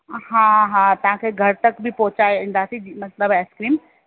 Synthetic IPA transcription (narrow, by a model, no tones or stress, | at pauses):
ɦãːɦãːt̪ɐʋ̤ãkʰeːɡʱɐɾt̪ɐkbʱɪpɔːɦʊt͡ɕaːeĩːnd̪aːsĩd͡ʑmɐt̪ləbɛːskɾiːm